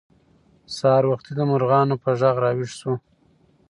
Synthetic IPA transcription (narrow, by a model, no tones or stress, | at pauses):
sɑɾwaxt̪id̪əmʊɾɣɑnopəʒaɣɾɑwiʂsu